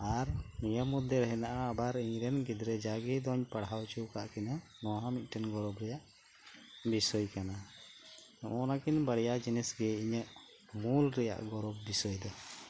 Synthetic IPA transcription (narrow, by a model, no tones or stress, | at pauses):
aɾmijəmud̪ːɛɾɛɦɛnaʔaːbaɾiɲɾɛnɡid̪ɾɛd͡ʒaɡid̪ɔɲpaɽawt͡ʃuwkaʔkinanɔɦãmit̪̚ˀʈɛnɡɔɾɔbɾɛjaʔ | bisɔjkana | ɔnakinbəɽjad͡ʒinɛsɡɛiɲəʔ | mulɾɛja̰ʔɡɔɾɔbːisɔjd̪ɔ